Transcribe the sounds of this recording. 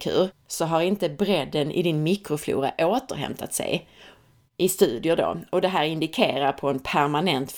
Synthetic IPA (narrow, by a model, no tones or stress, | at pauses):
kʰʉ̟̰ːɾsɔɦaɾɪnt̪əbɾɛd̪ːənʔɪ̰d̪ɪnmɪkɾʊflṵːɾa̰ʔoːt̪əɾɦɛ̰mt̪ʰat̪sɛ̰j | ʔɪst̪ʉ̟ːd̪ɪjʊɖo̰ːɔd̪ɛɦæːɾɪnd̪ɪkʰeːɾaɾpʰɔɛnpʰæɾmanɛnt̪f